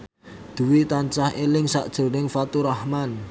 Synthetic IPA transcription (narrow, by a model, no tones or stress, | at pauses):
d̪̥ṳwit̪aɲt͡ʃahelɪŋsa̰ʔd̥ʒ̥o̤nɪŋfat̪uɾahman